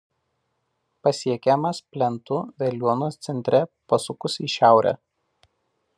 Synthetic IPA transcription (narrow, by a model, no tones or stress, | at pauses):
pɐsʲiɛkʲɛmɐspʲlʲɛnt̪ʊʋʲɛlʲuɔnoːst̪sʲɛnʲt̪ʲɾʲɛpɐsʊkʊsiˑʃʲæˑʊɾʲɛ̰